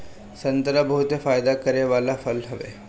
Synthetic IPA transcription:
sɐ̃nt̪ɾabɐɦʊt̪efaːjd̪akɐɾeʋaːlafɐlɦɐʋḛ

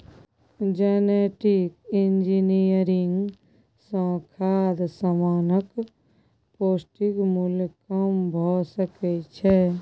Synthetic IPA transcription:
d͡ʒɛneʈikɪ̃nd͡ʒinijəɾɪŋɡ | sə̃kʰaːd̪səmaːnək | poːsʈikmʊlkəmbʱɔsəkɛt͡ʃʰɛ

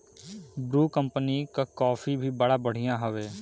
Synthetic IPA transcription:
bɾuːkəmpniːkakɔːfʰiːbʱiːbəɽaːbəɽ̤ijãːɦəʋeː

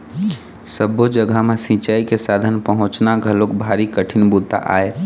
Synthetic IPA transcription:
səbːod͡ʒəɡʱamesĩt͡ʃaːikesaːd̪ʱənpəɦʊ̃t͡ʃnaɡʱəlokbʱaːɾikəʈʰɪnbut̪ːa̰ʔa̰ːe

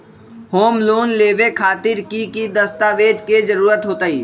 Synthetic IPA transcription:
hoːmloːnleːʋekʰaːt̪ɪɾkikid̪əst̪aːʋeːd͡ʒked͡ʒəɾuːɾət̪ɦoːt̪əiː

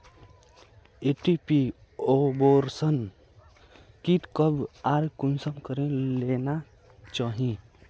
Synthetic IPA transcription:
eʈipi | oboɾsən | kiʈkəbaɾkunsəmkəɾẽlena | t͡ʃaɦĩ

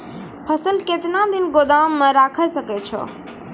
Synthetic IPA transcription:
pʰɐsəlkeːt̪ɪnãd̪ɪnɡod̪aːmːə̃ɾaːkʰəsɐket͡ʃʰɔ̰ː

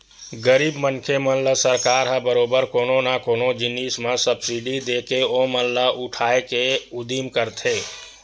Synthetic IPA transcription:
ɡəɾibmənkʰemənləsəɾkaɾɦəbəɾobəɾkononakonod͡ʒinismesəbsiɖid̪ekeoməllaʔuʈʰaekeud̪imkəɾt̪ʰe

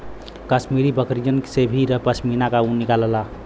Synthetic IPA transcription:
kəsmiɾibəkɾid͡ʒənksebʱiɾəɦpəsminakaũnikaləla

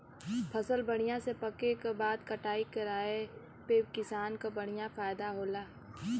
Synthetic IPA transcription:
pʰɐsəlbəɽ̤̃ɪjãsepɐkekabaːd̪kɐʈaːikɐɾaːe | peːkɪsaːnkabəɽ̤̃ɪjãfaːjd̪aɦoːlaː

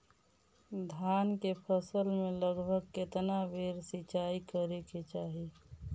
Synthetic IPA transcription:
d̪ʱjankepʰəsəlmeləɡbʱəɡ̚ket̪nabʱeɾsit͡ʃaikəɾeket͡ʃaːɦi

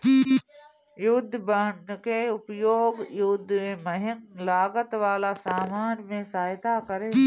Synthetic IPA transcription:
jʊd̪ʱːbəɳɖkeʊpjoːɡjʊd̪ʱːmẽmɐɦɪŋlaːɡət̪ʋaːlasaːmaːnmẽsaːjt̪akɐɾeː

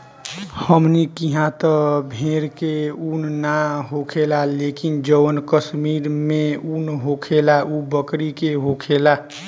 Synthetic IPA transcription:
həmnikiɦãt̪əbʱeɾkeunnaɦokʰelalekind͡ʒəwənkəsmiɾmẽunɦokʰelaubəkɾikeɦokʰela

